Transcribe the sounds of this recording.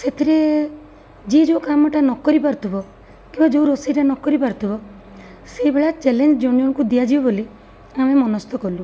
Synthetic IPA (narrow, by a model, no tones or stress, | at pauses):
set̪ʰiɾe | d͡ʒed͡ʒokamɔʈanɔkɔɾipaɾɔt̪ʰubɔ | kimbad͡ʒouɾosijʈanɔkɔɾipaɾɔt̪ʰubɔ | sebeɭat͡ʃelend͡ʒd͡ʒɔnijɔnkud̪ijad͡ʒibɔboli | amemɔnɔst̪ɔkɔlu